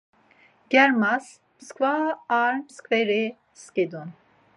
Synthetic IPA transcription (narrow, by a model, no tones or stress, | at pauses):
ɡ̥ɛɾmas | mɨskvaaɾmskvɛɾi | skʲed̪un